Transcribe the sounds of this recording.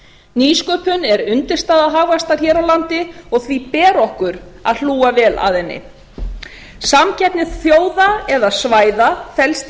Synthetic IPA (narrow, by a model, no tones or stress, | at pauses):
niːskœːpʏnɛɾʏnt̪ɪɾ̥st̪aːðaɦaːɣvast̪aɾ̥çɛːɾawlant̪ɪɔɣθvipɛːɾɔhkʏɾa̰ðl̥uːavɛːla̰ðɛnːɪ̰ | samcɛp̪nɪð̥θjoːwðaɛðasvaːjðafɛlst̪